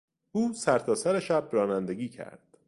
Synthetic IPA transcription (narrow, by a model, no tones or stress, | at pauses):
uːsæɾt̪ʰɒːsæɾeʃæbɾɒːnænd̪e̞ɡiːcʰæ̰ɾd̪̥